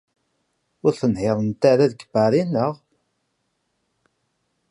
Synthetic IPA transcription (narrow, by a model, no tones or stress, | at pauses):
ʊɾθənhɪðˤənt̪aɾæðɡəbæɾinːəʁ